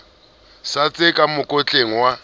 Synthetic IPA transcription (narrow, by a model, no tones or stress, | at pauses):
sat͡sʼɪkʼamʊkʼot͡ɬʼeŋ̩wa